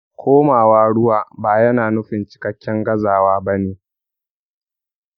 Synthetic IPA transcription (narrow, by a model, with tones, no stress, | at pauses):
kʷʰoː˦maː˨waː˦ɽʊ˦waː˨baː˨jɐ˦naː˨nʊ˦ɸɪ˨nt͡ʃɪ̥˨kɐ˦kʲːɛ˦ŋɡɐ˦zaː˨waː˦bɐ˦neː˨